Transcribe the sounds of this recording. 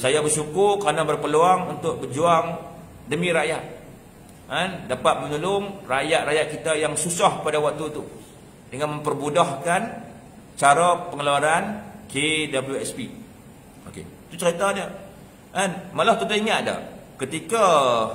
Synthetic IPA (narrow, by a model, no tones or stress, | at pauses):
sajabərsukʊrkəɾanabərpəluaŋunt̪ʊk̚bərd͡ʒuaŋ | dəmĩɾajat̪̚ | andapat̪̚mə̃ɲulʊŋrajat̪̚rajaʔ̪̚kit̪ajaŋsusahpadawak̚t̪ut̪u | dəŋanməmpərbudahkan | t͡ʃaɾapəŋəluaɾankedabəljuɛspi | o̰kḛt̪ut͡ʃəɾit̪adə | ʔanmalaht̪ut̪aiŋat̪̚da̰hkət̪ika